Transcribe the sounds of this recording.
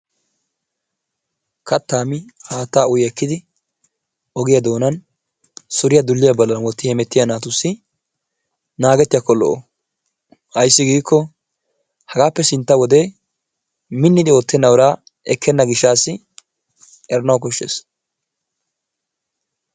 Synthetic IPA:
kʰɐt̪ːaːmɪhaːt̪ːaːʊjɛkːɪd̪ɪ | ɔɡɪjɐd̪o̞ːnɐn | sʊɾɪjɐd̪ʊlːɪjɐbɐlːɐnwɔt̪ːɪhɛmɛt̪ːɪjɐnaːt̪ʊsːɪ | naːɡɛt̪ːɪjɐkɔlːɔ̰ʔo | hɐjsːɪɡiːkːɔ | hɐɡaːpːɛsɪnt̪ːɐwɔd̪e̞ː | mɪnːɪd̪ɪot̪ːɛnːɐwɔɾaː | ʔɛkʰːɛnːɐɡɪʃːaːsːɪ | ɛɾɐnɐwk̬ɔʃːḛːs

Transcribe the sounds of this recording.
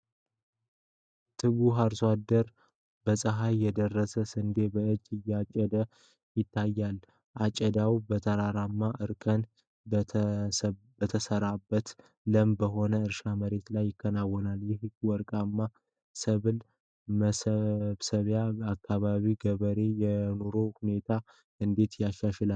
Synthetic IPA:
t̪ʰɨβuɦaɾswad̪əɾ | bəsʼəɦajːɛd̪ərːəsəsɨnd̪e̞bəɨd͡ʒːɨjːat͡ʃʼɛd̪ə | jɪt̪ʰːajːal | ʔat͡ʃʼɛd̪awbət̪ʰəɾaɾamːaʔɨɾkʰən | bət̪ʰəsəɾabːət̪ | ləmbəɦo̞nəɨɾʃaməɾe̞t̪lajːɪkʰːənawːɔnaljɛɦɨɡwɔɾkʼamːa | səβɨl | məsəβsəβjaakʰːaβaβiɡəβəɾe̞jɛno̞ɾohune̞t̪ʰa | ɨnd̪e̞t̪jaʃːaʃɛlal

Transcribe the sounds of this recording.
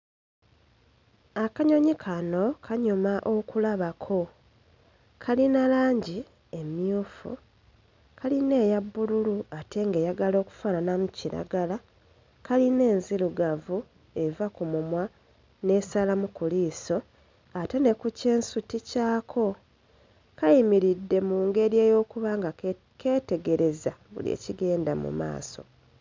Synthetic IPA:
akaɲo̞ɲikʰano̞kʰaɲumaʔokulaβakʰo̞ | kʰalinalaːɲɟi | e̞mjuːfṵ | kʰaline̞ːjabːululuatʰe̞ŋɡe̞jaɡalo̞ːku̥fananamuciɾa̰ɡala | kaline̞ːnziluɡavu | e̞vakumumwa | ne̞salamukuliːso̞ | ate̞ne̞kuce̞ːnsuticaːkʰo̞ | kajimiɾidːe̞muːŋɡe̞ɾje̞ːjo̞ːkuβaŋɡa | kʰe̞ːte̞ɡe̞ɾe̞zaβṵliḛːciɡe̞ːndamṵma̰ːso̞̰

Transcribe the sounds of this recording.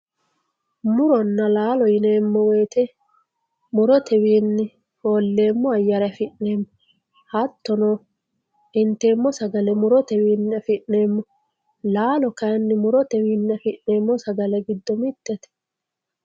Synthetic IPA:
mʊɾɔnːɐlaːlɔjɪne̞ːmːɔweːt̪ɛ | mʊɾɔt̪ʰɛwiːnːɪ | oːlːe̞ːmːɔɐjːɐɾɛɐfɪʔne̞ːmːɔ | hɐt̪ːɔnoː | ɪnt̪e̞ːmːɔsɐɡɐlɛmʊɾɔt̪ɛwiːnːɪɐfɪʔneːmːɔ | laːlɔkɐjnːɪmʊɾɔt̪ɛwiːnːɪɐfɪʔneːmːɔsɐɡɐlɛɡɪd̪ːɔmɪt̪ːɛt̪ɛ̥

